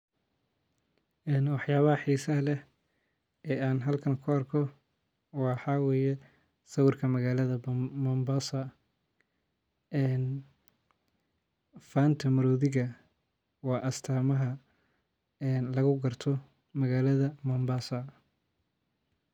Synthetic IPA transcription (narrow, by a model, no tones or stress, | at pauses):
ʔɛːnwɑħjaːβɐɦɐħiːsɐlɛh | ɛːaːnɦɐlkʰɐnkʰʊɐrkʰɔ | wɑːħɑwɛːjɛ | sɐwʊrkʰɐmɐɣaːlɐðɐmɐmbaːsɐ | ɛːn | faːnt̪ʰɐmɐɾɔːðɪɣɐ | wɑːʔɐst̪ʰaːmɐɦɐ | ɛnlɐɣʊɡɐrt̪ʰɔ | mɐɣaːlɐðɐmɐmbaːsɐ